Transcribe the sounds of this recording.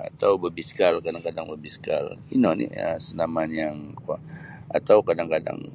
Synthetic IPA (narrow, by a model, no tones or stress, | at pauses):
a̰t̪awbəbisə̥kalkadaŋkadaŋbəbisə̥ka̰linɔnḭə̰sənamanjaŋkua | a̰t̪awkadaŋkada̰ŋ